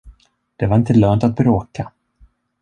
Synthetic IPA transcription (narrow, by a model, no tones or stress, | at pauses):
d̪̥ɛvaɾɪnt̪əlœːnt̪at̪̚bɾoːka